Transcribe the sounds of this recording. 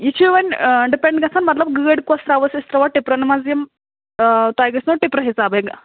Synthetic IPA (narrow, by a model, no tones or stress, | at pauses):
it͡ʃʰuʋɐnʲɖipeɳɖɡɐt͡sʰanmɐt̪lɐb̚ɡəːɽkost̪ɾaːʋəsist̪ɾɐʋaʈipɾɐnɐmazjɐm | t̪aːjɡɐsnoʈipɾɐɦisaːbeɡ